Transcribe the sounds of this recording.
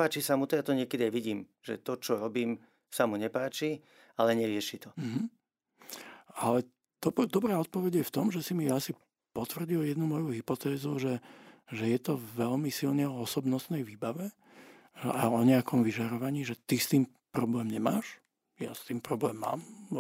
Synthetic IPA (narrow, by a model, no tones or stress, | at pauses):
aːt͡ʃisamut̪ɔjat̪ɔɲɪɛkɛd̪iajʋiɟiːm | ʒɛ̰t̪ɔt͡ʃɔɾɔbiːm | samuɲɛpaːt͡ʃi | alɛɲɛɾɪɛʃit̪ɔm̩ɦ̩ | alɛ | d̪̥ɔpd̪ɔbɾaːɔt̪̚pɔʋɛɟjɛft̪ɔmʒɛsimiasi | pɔt̪ʋr̩ɟiljɛd̪numɔjuɦipɔt̪ɛːzuʒɛʒɛjɛt̪ɔʋɛʎmisilɲɛɔɔsɔbnɔst̪nɛjʋiːbaʋɛ | aɔɲɛakɔmʋiʒaɾɔʋaɲiːʒɛt̪ist̪iːm | pɾɔblɛːmɲɛmaːʃ | ja̰st̪iːmpɾɔblɛːmːa̰ːm